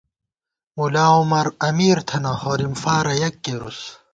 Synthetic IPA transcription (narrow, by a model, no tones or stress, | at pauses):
mulaːumɐɾɐmiːɾt̪ʰɐnɐhoːɾimfaːɾɐjɐkːeɾṵs